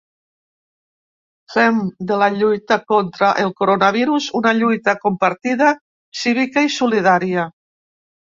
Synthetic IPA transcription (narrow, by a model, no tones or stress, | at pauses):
femd̪əlaʎujt̪akont̪ɾaʔelˠkoɾonaβ̞iɾuzunaʎujt̪akompaɾt̪iða | siβikaisulið̞aɾia